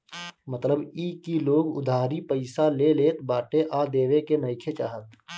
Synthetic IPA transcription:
mət̪ləbiːkiloːɡʊ̰d̪ʱaːɾipəɪsaleleːt̪baːʈeʔaːd̪eːʋekenəɪkʰet͡ʃaːɦət̪̚

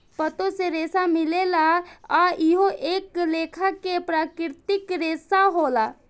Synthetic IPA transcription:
pət̪oseɾeːsamɪlelaaiɦoʔeːkleːkʰakepɾaːkɪɾt̪ɪkɾeːsaɦoːla

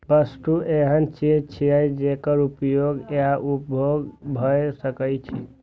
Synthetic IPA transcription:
bəst̪uʔeɦənt͡ʃid͡ʒt͡ʃʰiəjd͡ʒekəɾupjoɡeaʔupjoɡbʱəjsəkəjt͡ʃʰḭ

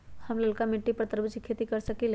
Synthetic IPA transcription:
hamləlkamiʈːipəɾt̪əɾbit͡ɕikʰːet̪ikəɾsəkil

